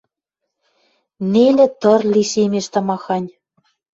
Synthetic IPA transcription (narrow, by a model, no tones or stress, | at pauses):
nelĕt̪ɤ̆rliʃemeʃt̪ɤ̆mɑxɑnʲ